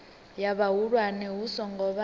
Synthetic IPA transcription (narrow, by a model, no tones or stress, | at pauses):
jaβaɦuɺwanɛɦusɔŋɡɔβa